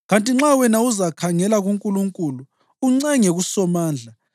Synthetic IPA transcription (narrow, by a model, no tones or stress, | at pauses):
ɣantʼiŋ͡ǁawɛnauzakʰaŋɛlaɣuŋkʼuluŋkʼulu | uŋ͡ǀɛŋeɣusɔmaːnd͡ɮʱa